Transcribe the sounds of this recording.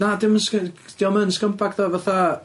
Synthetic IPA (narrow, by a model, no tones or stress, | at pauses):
nadɪmnskd̥iɔmənskəmpʰaɡðɔvaθa